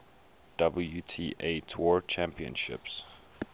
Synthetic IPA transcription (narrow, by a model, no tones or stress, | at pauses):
d̥ʌbəl̩jutʰiːʔetʰɔɹt͡ʃʰæ̃mpiə̰̃nʃɪ̰ps